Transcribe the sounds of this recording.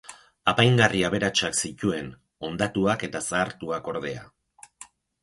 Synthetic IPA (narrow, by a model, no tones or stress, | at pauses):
apajŋɡariaβ̞e̞ɾat͡ʃaksic̪ue̞n | o̞nd̪at̪uake̞t̪asaːɾt̪uako̞ɾðe̞a̰